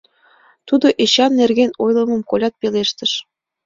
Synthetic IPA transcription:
t̪ud̪oʔeɕɑnːerɣenojlˠɤ̆mɤ̆mkolʲɑt̪̚peleʃt̪ə̆ʃ

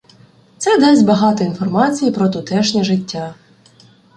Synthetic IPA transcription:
t̪sɛd̪ɛsʲbɐɦɑt̪ɔinfɔrmɑt͡sʲijipɾɔt̪ʊt̪ɛʃnʲɛʒɪtʲːa

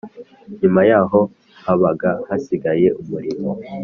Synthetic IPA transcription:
ɲumajaːɦo̞ | haβaɡahasiɡaje̞ʔumuɾimo̰

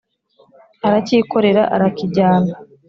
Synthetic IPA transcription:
aɾaciːko̞ɾe̞ɾa̰ʔaɾakiɟaːna

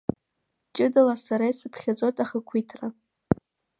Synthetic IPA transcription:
t͡ʃʼɪdalasaɾajsɨpʰχʲat͡sʼotʼaχəkʷʰitʰra

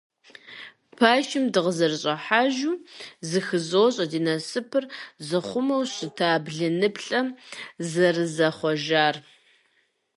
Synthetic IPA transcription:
pʰaːʃɪmdɨʁəzɐrɕʼɐħaːʒuːzɨxɨzoːɕʼɐdiːnɐsɨpʰɨrzɨχʷʊmɐwɕɪtʰaːbɮɨnɨpɬʼɐmzɐrɨzɐχʷɔʒaːr

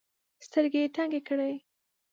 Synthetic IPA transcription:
st̪əɾɡet̪aŋɡekəɽej

